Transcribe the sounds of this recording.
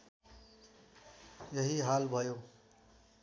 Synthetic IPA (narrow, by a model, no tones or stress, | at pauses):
jʌɦiɦalbʱʌjo